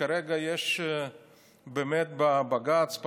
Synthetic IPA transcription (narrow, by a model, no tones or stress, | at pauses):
aɾɛɡajɛʃ | bemɛt̪̚babaɡat͡sp